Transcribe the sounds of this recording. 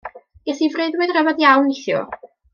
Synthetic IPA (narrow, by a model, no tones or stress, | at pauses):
ɡɛθivreɨðwɨðrəvaðjawnɪθjʊ̰